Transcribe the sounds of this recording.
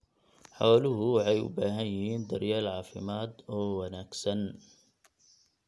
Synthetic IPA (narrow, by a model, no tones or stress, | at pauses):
ħa̰walʊhʊʕajṵbahajiːnd̪aɾjalʕaːfɪ̰maːd̪awanaksan